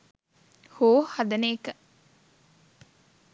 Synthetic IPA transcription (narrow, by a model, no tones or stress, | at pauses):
hoːhɐd̪ɐneːkə